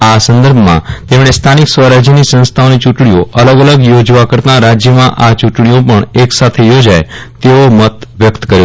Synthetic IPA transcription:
asə̃nd̪əɾbʱmã̰t̪emɳ̃est̪ʰaniksʋəɾad͡ʒjənisə̃nst̪ʰaonit͡ʃuʈɳ̃ioʔələɡələɡjod͡ʒʋakəɾt̪aɾad͡ʒjəmãʔat͡ʃuʈɳiopəɳeksat̪ʰejod͡ʒajt̪eomət̪ʋjəkt̪kəɾjo

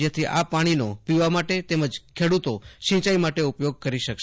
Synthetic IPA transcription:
jat̪ʰiʔapaɽ̃inopiʋamaʈet̪eməd͡ʒkʰeɽut̪oʃĩt͡ʃajmaʈeupjoɡ̚kəɾiʃəkʃ

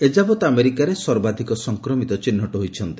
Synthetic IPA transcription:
ed͡ʒabɔt̪ameɾikaɾesɔɾbad̪ʱikɔsɔŋkɾɔmit̪ɔt͡ʃinːɔʈɔɦojt͡ʃʰɔnt̪i̥

